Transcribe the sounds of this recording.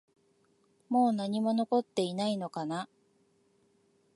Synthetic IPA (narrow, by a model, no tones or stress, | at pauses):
mo̞ːnaɲ̟imo̞no̞ko̞t̪ːe̞inaino̞kana